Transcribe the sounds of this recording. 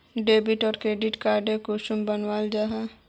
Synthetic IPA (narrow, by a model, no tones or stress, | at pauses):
ɖeːbɪʈɔːɾkɾeːɖɪʈkaːɾɖẽkoʃʊmbənwaːld͡ʒaɦa